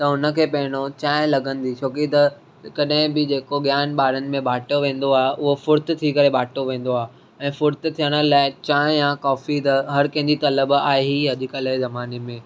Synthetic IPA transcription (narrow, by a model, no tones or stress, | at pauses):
t̪ɐʊnə̆kʰeːpɐɦɪɽ̃ot͡ɕaːɦɪ̃lɐɡə̃nd̪it͡ɕʰoːkit̪ɐ | kɐɗɦɪ̃bɪd͡ʑeːkoɠjaːnɓaːɾənɪ̆mẽbʱaːʈoʋẽːn̆d̪oaːɦeʔʊɦofʊɾt̪t̪ʰikɐɾebʱaːʈoʋẽːn̆d̪oaːɦe | ɛ̃ːfʊɾt̪̆t̪ʰijəɽ̃ə̆laːɪt͡ɕaːɪ̃jãkɔːfit̪ɐɦɐɾkɐ̃ɦɪ̃ɲd͡ʑit̪ɐləbaːɦeɦiɐd̪ʱɪkəlaɦezɐmaːnemẽː